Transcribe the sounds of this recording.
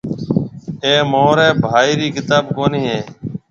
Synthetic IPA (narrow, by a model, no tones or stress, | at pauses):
eːmoːɾeːbʱaːiːɾiːkɪt̪aːbkoːniːɦeː